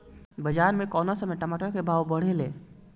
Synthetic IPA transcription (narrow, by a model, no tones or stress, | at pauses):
bəd͡ʒaːɾmẽkɔːnasəməjʈɐmaːʈokebʱaːwbəɽ̤eleː